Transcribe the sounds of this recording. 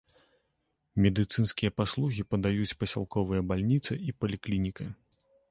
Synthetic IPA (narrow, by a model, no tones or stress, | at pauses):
mʲɛd̪ɨt̪sɨnskʲijɐpaslˠuɣʲipɐd̪ajut͡sʲpɐsʲa̰lˠkɔvɨjɐbalʲnʲit̪sɨipɐlʲiklʲinʲikɐ